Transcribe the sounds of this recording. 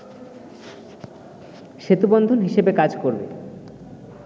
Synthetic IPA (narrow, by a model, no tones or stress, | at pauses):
ʃet̪ubond̪ʱonɦiʃebekad͡ʑkoɾbḛ